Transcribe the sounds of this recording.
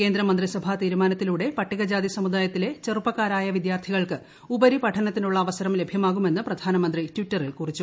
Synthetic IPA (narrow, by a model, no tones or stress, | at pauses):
ke̞ːnd̪ɾɐmɐnd̪risɐbʱat̪iːɾumaːnɐt̪ːiluːɽe̞pɐʈːiɣɐd͡ʑaːd̪isɐmud̪aːjɐt̪ːile̞t͡ɕerupːɐkːaːɾaːjɐʋid̪jaːrt̪ʰiɣɐɭkɨ | ubɐɾipɐʈʰɐnɐt̪ːinuɭːɐːʋɐsɐɾɐmle̞bʱjɐmaːɣume̞nːɨprɐd̪ʱaːnɐmɐnd̪ritʋitːɐrilkurit͡ɕːu